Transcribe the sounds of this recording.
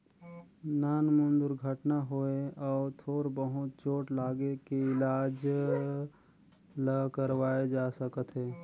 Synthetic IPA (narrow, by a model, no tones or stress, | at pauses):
naːnmʊnd̪ʊɾɡʱəʈnaɦoeɔːɾt̪ʰoːɾbəɦʊt̪̚t͡ʃoːʈlaːɡekeɪlaːd͡ʒ | ləkəɾwaːed͡ʒaːsəkət̪ɦɛː